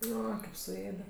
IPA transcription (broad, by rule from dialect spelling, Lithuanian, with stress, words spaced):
ˈoː kɐɪp sʊˈeːdʲɛ